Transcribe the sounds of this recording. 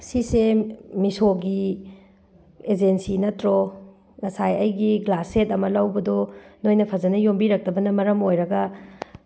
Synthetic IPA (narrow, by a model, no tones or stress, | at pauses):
sisemisoɡi | ed͡ʒensinɐtɾo | ŋɐsajɐjɡiɡlasetɐmɐlɐwbɐdɔnojnɐpʰɐzɐnɐjombiɾɐk̚tɐbɐnɐmɐɾɐmojɾɐɡɐ